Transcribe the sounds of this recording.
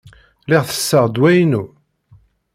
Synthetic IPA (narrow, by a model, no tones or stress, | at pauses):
lɪʁθə̥sːəʁd̪wæjnu